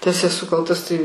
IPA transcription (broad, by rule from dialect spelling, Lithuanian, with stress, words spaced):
tɐs ɛˈsʊ ˈkɐlˠtɐs tɐɪ